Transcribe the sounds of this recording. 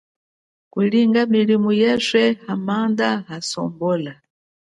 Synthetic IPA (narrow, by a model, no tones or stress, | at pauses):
kuliŋɡamilimujɛsɛhamandaɦasɔ̰mbɔːla